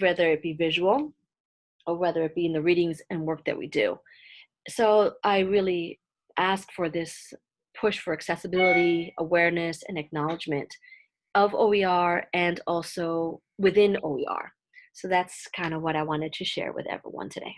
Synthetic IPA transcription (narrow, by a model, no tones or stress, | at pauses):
wɛðə˞ɨt̚b̥ivɪʒəwl̩ˠ | ə˞wɛðə˞ɨt̚b̥iɨ̃nðɨɹiɾɪ̃ŋzɨ̃nwɜ˞k̚ðɨ̰ʔ̚wḭdʉ̰ | soʊʔaɪɹɪlˠi | ʔæskfə˞ðɪs | pʰʊʃfə˞ɨksɛsəbɪlˠəɾiəwɛɹnɨsɨ̰̃nɨk̚nɑlˠəd͡ʒmɨ̃nt | ʌvo̰ʊiɑɹɨ̃nɔlˠsoʊ | wɨθɪ̃noʊḭɑ̰ɹ | soʊðætskʰãɪ̃ndʌvwʌɾaɪwɑ̃ñɨd̚tʰɨʃɛ̰ɹwɨ̰ðɛ̰vɹḭwʌ̰̃ntʰɨdḛɪ